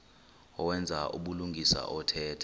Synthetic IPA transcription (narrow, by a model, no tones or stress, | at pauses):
ɔwɛnd͡zʱaʔuɓuluŋɡʱisa̰ʔɔtʰɛːtʰḁ